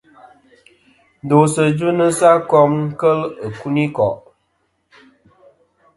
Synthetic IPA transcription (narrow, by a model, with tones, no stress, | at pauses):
do˨sə˨d͡ʒɨ˦nə˦sa˦kɔ˦mŋ̩˦kə˦lə˨ku˦ni˦kɔ˨ʔ